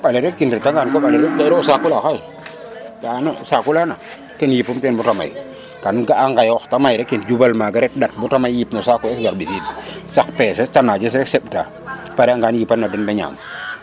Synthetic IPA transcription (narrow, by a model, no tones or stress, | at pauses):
balɛɾɛkinɾitaŋɡankɔɓalɛɾɛkaɾɔsakulaxaj | ɡaːnosakulana | tɛnjipumtɛnbutama̰j | kanɡaaŋɡajɔxtamajɾɛkːind͡ʒubalmaɡaɾɛt̚dat̚butamajːipnɔsakɔɛsɡaɾbisidsakpɛsɛtanad͡ʒɛs̬ɾɛksɛɓta̰ | paɾɛaŋɡanjipanːadɛnbaɲa̰ːm